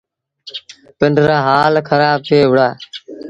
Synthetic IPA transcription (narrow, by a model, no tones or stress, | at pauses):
pɪɳɖʱɾaːɦaːlkʰəɾaːb̚t̪ʰeːʋɽaː